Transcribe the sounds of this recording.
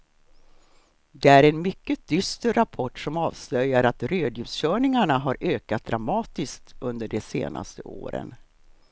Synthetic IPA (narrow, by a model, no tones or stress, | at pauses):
d̪ɛæɾɛnmʏkːəd̪ʏst̪əɾapʰɔʈːʂɔmɑːvslœjːaɾat̪ɾøːd̪jʉːsɕœːɳɪŋaɳaɦaɾʔøːkat̪̚d̪ɾamɑːt̪ɪskt̪ɵnd̪əɖɛsḛːnʔa̰st̪ə̰ʔo̰ːɾə̰n